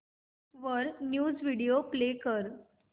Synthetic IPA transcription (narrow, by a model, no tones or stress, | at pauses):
ʋəɾnjuːd͡zʋiɽioplekəɾ